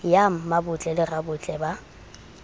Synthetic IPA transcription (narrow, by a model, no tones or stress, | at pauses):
jam̩mabʊt͡ɬʼɛlɪrabʊt͡ɬʼɛba